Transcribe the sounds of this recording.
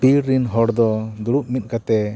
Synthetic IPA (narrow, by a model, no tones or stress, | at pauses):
piɾɾinɦɔɽd̪ɔd̪uɽuʔ̚mit̪̚ˀkat̪ɛ